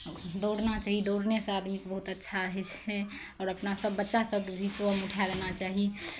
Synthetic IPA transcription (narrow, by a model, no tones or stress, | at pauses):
d̪oɽnat͡ʃaːɦid̪oɽnesead̪mikbəɦut̪ətːʃʰaɦɛt͡ʃɛ | ɔːɾəpnasəbːətːʃasəb̚kbʱisʋəmuʈʰalenat͡ʃaːɦi